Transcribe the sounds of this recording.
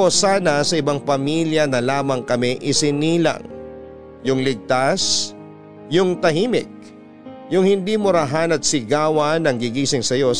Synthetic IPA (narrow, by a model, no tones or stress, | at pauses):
osaːnɐsɐʔɪbaŋpɐmiljɐnɐlaːmɐŋkɐmɛʔɪsɪniːlɐ̰ŋ | jʊŋlɪɡ̚t̪as | jʊŋt̪ɐhimɪk̚ | jʊŋhɪnd̪imʊɾɐɦanɐt̪̚sɪɡaːwɐnɐŋɡɪɡiːsɪŋsɐjo̞